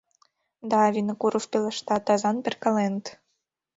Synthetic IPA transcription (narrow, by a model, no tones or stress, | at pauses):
d̪ɑːvʲinə̆kuɾofpelə̆ʃt̪ɑt̪ɑzɑnpʲerkɑlenət̪